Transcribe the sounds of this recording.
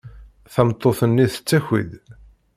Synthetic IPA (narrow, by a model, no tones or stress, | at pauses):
θæmt̪ˤːoθənːiθə̥t͡sːæçḭd̪